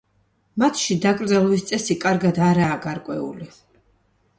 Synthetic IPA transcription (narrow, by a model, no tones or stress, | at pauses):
mat̪ʰʃid̪akʼɾd̪zalˠɔvist̪sʼɛsikʼaɾɡad̪aɾaːɡaɾkʼwɛ̰ṵli